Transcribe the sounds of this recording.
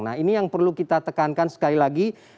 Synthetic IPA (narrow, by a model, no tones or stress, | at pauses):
na̰ɦinijaŋpərlukit̪at̪əkankansə̥kalilaɡi